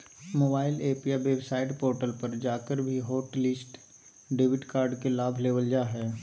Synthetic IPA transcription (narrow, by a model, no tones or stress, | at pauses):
moːbaːɪleːpijaʋeːbsaːɪʈpoːɾʈəlpɐɾd͡ʒaːkəɾbʱiɦoːʈlɪsʈ | ɖeːʋɪʈkaːɾɖkelaːbʱleːʋəld͡ʒaːɦɛː